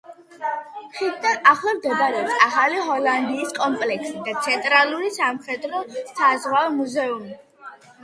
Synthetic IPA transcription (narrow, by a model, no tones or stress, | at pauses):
ʃid̪d̪anaχlˠamd̪ɛbaɾɛɔpsaχaliɦɔland̪iːskʼɔmpʼlɛksid̪at̪sʰɛnt̪ʼɾaluɾisamχɛd̪ɾɔsazʁwamuzɛumi